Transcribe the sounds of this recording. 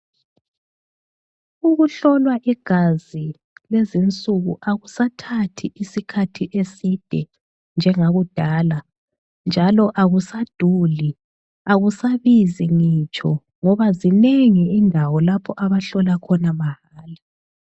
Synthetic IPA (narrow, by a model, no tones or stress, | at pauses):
uɣuɬɔlwaʔiɡ̥ʱazi | lezint͡sʼuɣuʔaɣusatʰatʰiʔisikʰatʰiʔesid̥ʱɛ | nd͡ʒʱɛŋaɣud̥ʱaːla | nd͡ʒʱalɔʔaɣusad̥ʱuli | aɣusaβiziŋiːt͡ʃʼʰɔ | ŋɔβazineŋiindʱawɔlapʰɔʔaβaɬɔlakʰɔnamahaːla